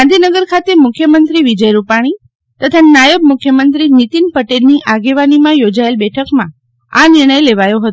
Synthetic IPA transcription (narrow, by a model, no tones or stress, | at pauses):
ɡand̪ʱinəɡəɾkʰat̪emʊkʰjəmənt̪ɾiʋid͡ʒəjɾupaɽ̃i | t̪ət̪ʰanajəbmukʰjəmənt̪ɾinit̪inpəʈelniʔaɡeʋanimãjod͡ʒaelbɛʈʰəkmã | a̰niɾɳ̃əjleʋajõɦət̪